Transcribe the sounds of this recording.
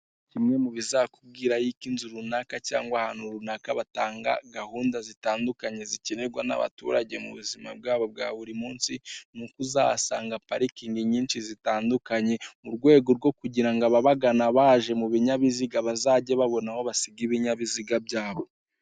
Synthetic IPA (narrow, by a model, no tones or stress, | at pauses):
cimŋe̞muβizakub̚ɡiːɾajikinzuɾunakaca̰ːŋɡwahaːn̥huɾunakaβataːŋɡa̰ɡahuːndazitaːndukaɲe̞ziciɾeɡwana̰βa̰tṵɾaɟe̞mṵβuzimab̚ɡaːβo̞b̚ɡa̰ːβuɾimuːnsinukuza̰βa̰saːŋɡapaɾikiːŋɡiɲiːnʃizitaːndukaɲe̞muɾɡwe̞ːɡo̞ɾɡo̞kuɟiɾaŋɡaβaβaɡanaβaʒe̞muβiɲaβiziɡaβazaːɟe̞βaβo̞naho̞βasiɡiβiɲaβiziɡab̚ɟaːβo̞